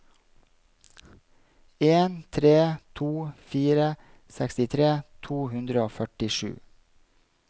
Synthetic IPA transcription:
eːnt̪ʰɾeːt̪ʰuːfiːɾə | sɛkst̪ɪt̪ʰɾeːt̪ʰuːhʉnd̪ɾəoːfœʈɪʃʉ̰ː

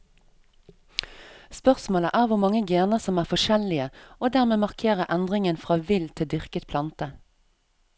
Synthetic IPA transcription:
spœʁsmoːləʔæːʁʋʊʁmɑŋəɡeːnəsɔmæːʁfɔʃɛlɪəoːd̪æːʁmeːmɑʁkʰeːʁəʔænd̪ʁɪŋənfʁɑːʋɪlt̪ʰɪd̪ʏʁkət̪̚pʰlɑnt̪ə

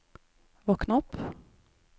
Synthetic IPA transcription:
vɔːknaɔpː

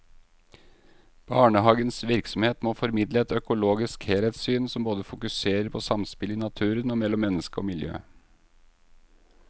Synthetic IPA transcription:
b̥ɑːɳəhɑːɡənsʋɪɾksɔmheːt̪moːfɔɾmɪd̪ləɛt̪œkʊloːɡɪskheːlet̪syːnsɔmboːd̪əfʊkʉseːɾəɾpʰɔsɑmspɪlɪnɑt̪ʰʉːɾənɔːmɛlːɔmːɛnːəskəo̰ːmɪljø̰ː

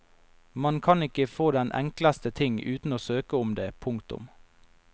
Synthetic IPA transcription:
mɑnkʰɑnɪkəfoːd̪ɛnʔɛ̰ŋkləst̪ət̪ʰɪŋʉːt̪n̩oːsøːkəʊmd̪eːpʰʊŋkt̪ʊ̰m

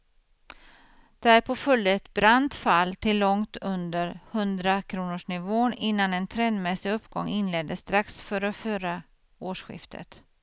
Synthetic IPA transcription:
d̪̥ɛæɾpʰɔfɵlːəɛt̪bɾant̪falːt̪ʰɪlːɔŋt̪ɵnd̪əɾhɵnd̪ɾakʰɾuːnʊʂɳɪvoːnɪnːanɛnt̪ʰɾɛnd̪mɛsɪɵpːɡɔ̰ŋːɪnlɛd̪ːəst̪ɾaksfœːɾəfyːɾa | oːʂɧɪ̰ft̪ʰə̰t̪

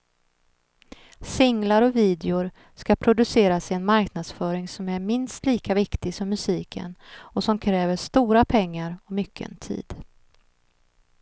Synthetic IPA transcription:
sɪŋlaɾɔviːd̪ɛʊɾ | skapʰɾʊd̪ɵseːɾasɪɛnmaɾknad̪sfœːɾɪŋsɔmæɾmɪnst̪liːkavɪkt̪ɪɡsɔmːɵsiːkʰə̰nɔsɔmkʰɾɛːvəʂt̪uːɾapʰɛŋːaɾɔmʏkʰːə̰nt̪ʰḭːd̪

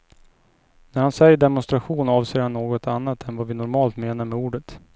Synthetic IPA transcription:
næɾhansɛjːəɖɛmɔnst̪ɾaɧuːnɑːvseːɾhanːoːɡɔt̪ʰanːat̪ɛnvavɪnɔɾmɑːlt̪meːnaɾmɛuːɖət̪

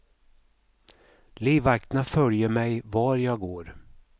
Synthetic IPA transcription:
liːvak̚t̪nafœljəɾmɛjvɑːɾjɑːɡoːɾ

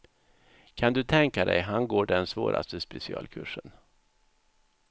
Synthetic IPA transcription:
kʰand̪ɵt̪ʰɛŋkad̪ɛjɦanɡoːɖɛnsvoːɾʔa̰st̪əspɛsɪɑ̰ːlkʰɵʂən

